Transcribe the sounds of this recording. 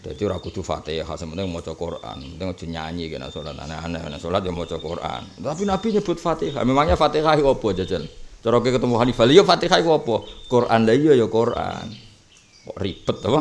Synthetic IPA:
d̥̪ait̪iuɾakud̪̥ufa̰t̪eɦa̰səpənt̪ɪŋmɔt͡ʃɔkorʔa̰nmpənt̪ɪŋo̥d͡ʒ̥ə̤ɲa̰ɲikena̰sola̰t̪a̰naa̰nanasolat̪̚jɔmɔt͡ʃɔkorʔa̰nt̪apinab̥iɲəb̥ʊt̪̚fat̪iɦa̰memaŋɲafat̪ihaiwɔpɔd͡ʒat͡ʃənt͡ʃəɾok̬ekət̪əmuɦanifalijofat̪iɦaiɔpɔkorʔa̰ndaijɔjɔkorʔa̰n | ɔripət̪̚ːapa

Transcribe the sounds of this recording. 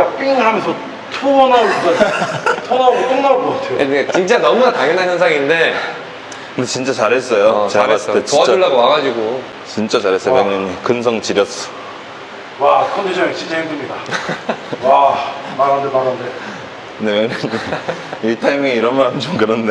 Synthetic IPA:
ap͈iŋɦamjʌnsʰʌ | tʰoʌnaɡokuɡatʰonaɡokɯŋnakʌɡatʰeoenet͡ɕint͡ɕ͈anʌmunataŋjʌnːançjʌnsʰaŋinde̞ | kʰɯndet͡ɕint͡ɕ͈at͡ɕaɾɦe̞s͈ʌjot͡ɕaaes͈et͡ɕoat͡ɕuɭːaɡoaɡad͡ʑiɡo | t͡ɕint͡ɕ͈at͡ɕaɾɦe̞s͈ʌomeŋɲʌɲikɯns̬ʰʌŋt͡ɕiɾjʌs͈ʌ̥ | wakʰʌndid͡ʑʰʌet͡ɕʰid͡ʑʰeeɡumɲida | wamaɾandemaɾande | neɲam | itʰajmŋeiɾʌnmaɾamt͡ɕomkɯɾʌnde

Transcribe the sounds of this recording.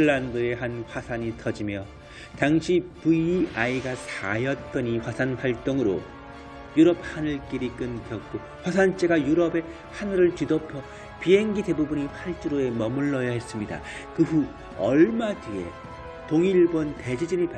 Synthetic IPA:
ɭːandɯe̞ɦanɸwasʰaɲitʰʌd͡ʑimjʌ | taŋɕʰipuiaiɡasʰajʌt̚t͈ʌɲiɸwasʰanɸwaɭt͈oŋɯɾo̰ | juɾʌp̚hanɯɭk͈iɾik͈ɯnkjʌk̚k͈o | ɸwasʰant͡ɕ͈e̞ɡajuɾʌbe̞ | hanɯɾɯɭtɥidopʰjʌ | piɦe̞ŋɡide̞bubuɲiɸʰaɭt͡ɕ͈uɾoe̞mʌmuɭːʌjʌɦe̞s͈ɯmɲida̰ | kɯɸu | ʌɭmatie̞̰ | toŋiɭbʌnte̞d͡ʑid͡ʑiɲip

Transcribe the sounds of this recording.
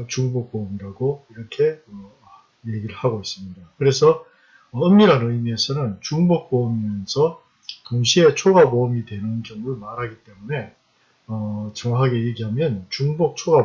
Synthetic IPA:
t͡ɕuŋbok̚pomiɾaɡoiɾʌkʰe̞ʌ | je̞ɡiɾɯɭhaɡois͈ɯmɲidakɯɾe̞sʰʌ | ʌɯmːiɾanɯimiesʰʌnɯnt͡ɕuŋbok̚p͈omimjʌnsʰʌ | toŋɕʰie̞t͡ɕʰoɡabomidwe̞nɯnd͡ʑʌŋɯɭmaɾɦaɡit͈e̞mune̞ | ʌt͡ɕʌŋwakʰaɡe̞je̞ɡiɦamjʌnt͡ɕuŋbok̚t͡ɕʰoɡa

